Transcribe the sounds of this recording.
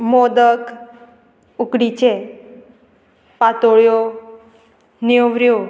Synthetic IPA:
mod̪ək | ukɽit͡ɕʰe | pat̪oɭjo | niʋɾjo

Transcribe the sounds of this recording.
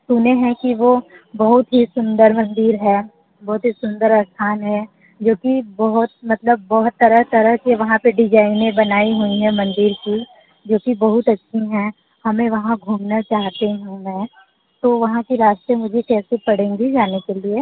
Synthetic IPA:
suneɦɛ̃kiʋobɐɦʊt̪ɦisʊ̃nd̪əɾmɐ̃nd̪ɪɾɦɛː | bɔːʊt̪ɦisʊ̃nd̪əɾast̪ʰaːnɦɛ̃ | d͡ʒoːkibɐɦʊt̪̚mɐt̪ləbːɔːʊt̪ːɐɾəɦt̪ɐɾəɦkeʋɐɦãpeɖɪd͡ʒaːɪnẽbɐnaːiɦuiɦɛ̃mɐ̃nd̪iɾki | d͡ʒoːkibɐɦʊt̪ɐtːʃʰiɦɛ̃ | hɐmẽʋɐɦãɡʱuːmnat͡ʃaːɦt̪eɦũmɛ̃ː | t̪oʋɐɦãkiɾaːst̪emʊd͡ʒʱekɛːsepɐɽẽːŋɡid͡ʒaːnekelie

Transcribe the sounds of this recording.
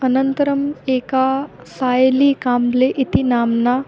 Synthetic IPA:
ənənt̪əɾəmeːka | sajliːkaːmleʔit̪inamna

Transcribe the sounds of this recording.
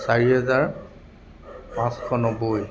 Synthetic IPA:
saɹiɦɛzaɹ | pãskʰɔnɔboj

